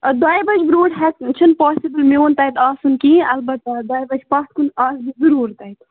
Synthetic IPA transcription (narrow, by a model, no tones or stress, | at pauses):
d̪aːjbɐd͡ʒbɾoːʈɦɐkt͡ʃʰɨnpaːsibɨlmioːnt̪ɐjt̪aːsunkĩːɐlbɐt̪d̪aːjbɐd͡ʒpɐst̪kunaːsbizɨɾuːɾt̪ɐjt̪